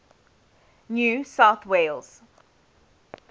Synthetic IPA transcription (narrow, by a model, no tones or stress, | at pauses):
njuːsaʊθweɪlˠz̥